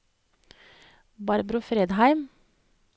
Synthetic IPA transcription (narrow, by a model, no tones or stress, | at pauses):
bɑɾbɾʊfɾeːd̪hæɪm